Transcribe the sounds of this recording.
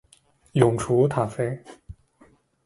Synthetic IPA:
jʊ˨˩ŋʈ͡ʂʰu˧˥t̪ʰa˨˩fe˥ɪ

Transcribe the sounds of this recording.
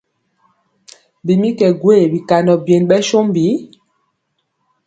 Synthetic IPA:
bi˨mi˦kɛ˨ɡwe˦˨bi˨ka˨nɔ˨bje˨nɓɛ˦ʃo˦mbi˨˦

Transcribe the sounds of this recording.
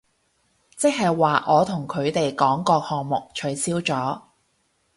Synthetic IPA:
t͡sɪ˥k̚hɐ˨jwaː˨ʔɔː˨˧t̪ʰʊ˨˩ŋkʰɵ˨˧ɥt̪e˨jkɔː˨˥ŋkɔː˧k̚hɔː˨ŋmʊ˨k̚t͡ʃʰɵ˨˥ɥsiː˥wt͡sɔː˨˥

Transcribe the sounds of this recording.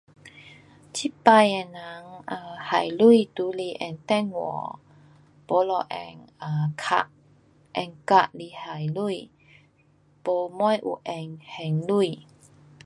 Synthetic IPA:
t͡ɕi˦˥pa˧jɛ˧˩na˨˦ŋa˧ha̰˨jlu˥˨jt̪u˨˦li˧ʔɛ̰˧˨ŋt̪ɛ˥˧ŋwɔ̰˨˦ | po˨˦lɔ˧ʔɛ̰˧˨ŋa˧˨kʰa̰˧˩ʔ | ʔɛ˧ŋka˧ʔli˧˨ha˨˩jlu˥˧j | po˧mɔ˥˦˨jʔṵ˧˨ʔɛ˧ŋhɛ˨ŋlu˥˧j

